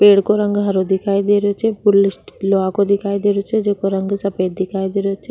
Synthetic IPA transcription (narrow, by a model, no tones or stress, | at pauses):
peːɽkoɾə̃ŋɡɦəɾod̪ɪkʰaːid̪eɾot͡ʃʰɛpʊlɪsʈloakod̪ɪkʰaːid̪eːɾot͡ʃʰɛd͡ʒeːkoɾəŋɡsɐpeːd̪ɪkʰaːid̪eːɾot͡ʃʰɛ